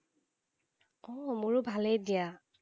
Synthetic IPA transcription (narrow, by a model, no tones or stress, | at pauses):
ɔmʊɹʊbʱalejdija